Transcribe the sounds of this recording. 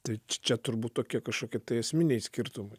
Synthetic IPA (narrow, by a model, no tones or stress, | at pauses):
t̪ɐɪt͡ʃʲt͡ʃʲɛt̪ʊɾbuːt̪̚t̪oːkʲiɛkɐʃkoːkʲiɛt̪ɐɪɐsʲmʲɪnʲɛjsʲkʲɪɾt̪ʊmɐɪ